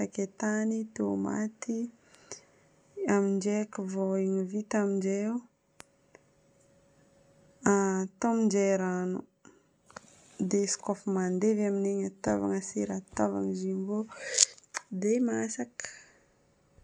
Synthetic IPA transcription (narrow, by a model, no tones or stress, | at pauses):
aket̪anit̪ema̰t̪i | amind͡ʒekivoiɲivit̪amind͡ʒeu | at̪omind͡ʒeɾanu | d̪eskofəmand̪evamineɲat̪a̰va̰ŋəsiɾat̪ava̰ŋzibo | d̪emasakə̥